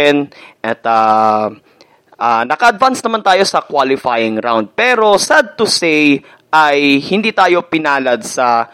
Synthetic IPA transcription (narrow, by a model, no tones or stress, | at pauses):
ɛnʔɐt̪a | ʔanɐkɐʔɐd̪vansnɐmant̪aːjo̞sɐkwalɪfajɪŋɾa̰wnd̪̚pɛːɾo̞sad̪̚t̪ʊsej | ʔɐjhɪnd̪iːt̪aːjo̞pɪnaːlɐd̪̚sɐ